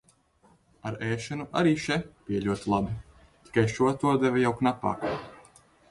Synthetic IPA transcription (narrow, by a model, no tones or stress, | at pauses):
aɾɛːʃɛnuʔaɾiːʃɛpiɛʎʲuɔt̪ilˠabi | t̪i̥kajʃuɔt̪uɔd̪ɛvɛjawknapa̰ːkː